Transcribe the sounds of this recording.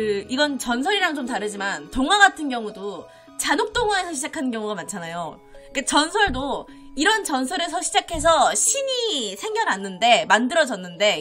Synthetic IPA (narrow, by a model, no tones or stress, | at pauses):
ɯiɡʌnt͡ɕʌns̬ʰʌɾiɾaŋt͡ɕomtaɾɯd͡ʑimantoŋwaɡatʰɯnɡjʌŋudo | t͡ɕanok̚t͈oŋae̞sʰʌɕʰid͡ʑakʰanɯnkjʌŋuɡamant͡ɕʰanajo | k͈at͡ɕʌnsʰʌɭdo | iɾʌnt͡ɕʌnsʰʌɾesʰʌɕʰid͡ʑakʰe̞s̬ʰʌɕʰiɲisʰe̞ŋɡjʌɾanːɯnde̞mandɯɾʌd͡ʑʌnːɯnde̞